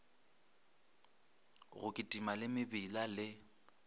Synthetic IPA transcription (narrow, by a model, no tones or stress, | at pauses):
ɣʊkʼɪtʼimalɪmɪbɪlalɪ